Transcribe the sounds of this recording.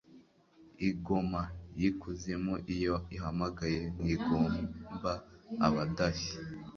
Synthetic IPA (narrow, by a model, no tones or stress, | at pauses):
iɡo̞majikuze̞moʔijoiɦamaɡaje̞niɡoːmba̰ːβadaʃi̥